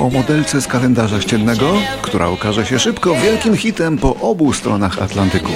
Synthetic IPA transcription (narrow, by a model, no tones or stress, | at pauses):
ɔmɔd̪ɛlt̪sɛskalɛnd̪aʐaɕt͡ɕɛlnɛɡɔkt̪uɾʔa̰ukaʐɛɕɛʂɘpkɔvʲjɛlkʲimxʲit̪ɛmpɔʔɔbust̪ɾɔnaxa̰t̪lant̪ɘku